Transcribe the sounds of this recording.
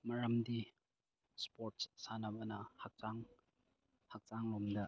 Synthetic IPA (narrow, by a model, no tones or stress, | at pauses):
mɐɾɐmdi | spoɾt̚ssanɐbɐnɐhak̚t͡ʃaŋ | hak̚t͡ʃaŋlomdɐ